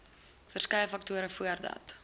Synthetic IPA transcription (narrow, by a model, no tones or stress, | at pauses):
fərskɛjəfɐk̚tuəɾəfuərdɐ̰t